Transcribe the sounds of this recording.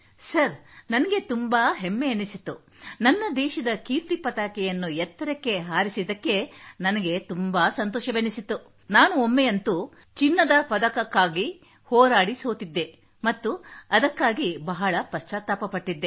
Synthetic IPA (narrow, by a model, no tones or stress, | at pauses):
sɐɾnɐnɐɡe̞t̪umbaːɦemːeenisit̪ːu | nɐnːɐd̪ɛːʃɐd̪ɐkiːɾt̪ipɐt̪aːkɛjɐnːuɛt̪ːɐɾɐkːe̞ɦaːɾisid̪ɐkːe̞nɐnɐɡe̞t̪umbaːsɐnt̪ɔːʃɐbenisit̪ːu | naːnuomːejɐnt̪u | t͡ʃinːɐd̪ɐpɐd̪ɐkɐkːaːɡi | hɔːɾaːɽisoːt̪id̪ːe̞ | mɐt̪ːuɐd̪ɐkːaːɡibɐɦɐɭɐpɐʃt͡ʃaːt̪ːaːpɐpɐʈːid̪ːe̞